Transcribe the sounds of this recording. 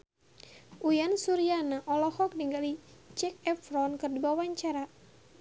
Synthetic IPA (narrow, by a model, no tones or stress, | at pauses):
ʔujansuɾianaʔɔlɔhɔk̚diŋɡalit͡ʃɛk̚ɛfɾɔnkɨrdibawaɲt͡ʃaɾa